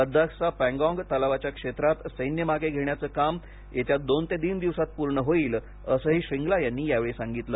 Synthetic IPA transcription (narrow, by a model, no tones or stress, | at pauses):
pəd̪ʱːaksapɛ̃ŋɡɔ̃ŋɡt̪əlaʋat͡ɕjakʂet̪ɾat̪səjnjəmaɡeɡʱeɳjat͡səːkam | jet̪jad̪ont̪ed̪iːnd̪iʋsat̪̚puɾɳəɦoiːl | əsəːɦiːɕiŋɡlajanːiːjaʋeɭesaŋɡit̪ləː